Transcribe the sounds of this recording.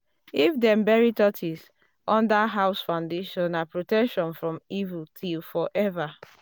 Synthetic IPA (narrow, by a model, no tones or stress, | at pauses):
ifdɛ̃mbɛɹitɔtʰis | ɔ̃ndaɦaʊsfaʊ̃ndeʃɔ̃nːapɹotɛkʃɔ̃nfɹɔ̃mivultʰilfɔʔɛva